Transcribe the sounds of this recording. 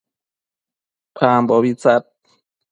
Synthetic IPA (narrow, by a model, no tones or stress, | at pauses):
pʰaːmbɔːwisat̪̚